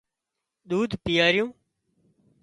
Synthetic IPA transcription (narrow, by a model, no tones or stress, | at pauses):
ɗ̪uːd̪ʱpɪjaːɾɪjũː